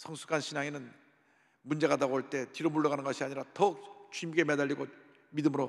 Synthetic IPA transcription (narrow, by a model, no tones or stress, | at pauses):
sʰʌŋsʰu̥k͈ʰanɕʰinaŋenɯn | mund͡ʑe̞ɡadaɡoɭt͈e̞tiɾomuɭːʌɣanɯnɡʌɕʰiaɲiɾatʌk̚t͡ɕimɡe̞medaʎːiɡo | midɯmɯɾo